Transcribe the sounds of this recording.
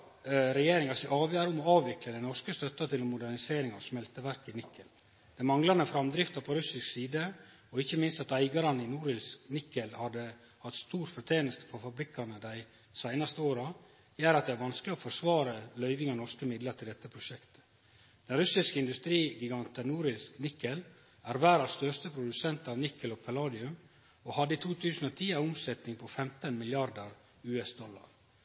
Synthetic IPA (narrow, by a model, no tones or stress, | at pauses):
ɾɛjeːɾɪŋɑsɪɑːʋjæːɾəʊmɔɑːʋʋɪkləd̪æɪnɔʂkəst̪œt̪ːɑt̪ʰɪlɛnmʊd̪æɾnɪseːɾɪŋɑ̰ʋsmɛlt̪əʋæɾkɪnɪkʰːəl | d̪̥ɛɪmɑŋlɑnəfɾɑmd̪ɾɪft̪ɑpʰɔɾʉsɪsksiːd̪ə | ɔɪçːəmɪnst̪ɑt̪æɪɡɑɾɑnəɪnuːɾɪlsknɪkːəlhɑd̪ə | hɑt̪ːst̪uːɾfɔɾt̪ʰeːnəst̪ə̥fɔɾfɑbɾɪkʰːɑnəd̪æɪ | sæɪnɑst̪əoːɾɑ | jæːɾɑt̪̚d̪ɛæɾʋɑnsklɪɔfɔʂʋɑːɾəlœʏʋɪŋɑnɔʂkəmɪd̪ləʈ̪ʰɪld̪ɛt̪ːəpʰɾʊʃɛkt̪ə̥ | d̪̥ɛnɾʉsɪskəɪnd̪ʉst̪ɾiːɡɪɡɑnt̪ənuːɾɪsknɪkːəl | æɾʋæːɾɑst̪œʂt̪əpʰɾʊd̪ʉsɛnt̪ɑʋnɪkːəlɔpʰɛlɑːd̪ɪʉm | oːhɑd̪ːəiːt̪ʰuːt̪ʰʉːsn̩ot̪ʰiːæʊmsɛt̪nɪŋpʰɔfɛmt̪ənmɪljɑɾd̪əɾ | ʉːɛsd̪ɔlːɑ̰ɾ